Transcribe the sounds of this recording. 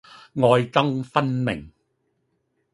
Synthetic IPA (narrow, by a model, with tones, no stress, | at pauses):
ŋɔː˧jt͡sɐ˥ŋfɐ˥nmɪ̰˨˩ŋ